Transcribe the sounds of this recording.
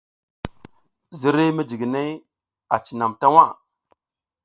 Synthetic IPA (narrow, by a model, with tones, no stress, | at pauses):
zi˦ɾe˦mi˦d͡ʒi˨ɡi˨ne˦j | a˨t͡ʃi˨na˨mta˦wa˦˨